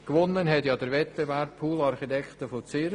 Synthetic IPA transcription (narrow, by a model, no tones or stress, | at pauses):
kʋʊnːənɦɛtjɑd̥əɾʋɛt̪̚b̥evɛɾpʰuːlɑɾχitɛkχt̪əfot͡sɪ